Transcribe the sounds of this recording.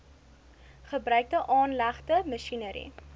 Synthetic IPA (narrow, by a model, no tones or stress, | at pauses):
χəbɾœɥk̚dəʔɑːnlæχtəməʃinəɾḭ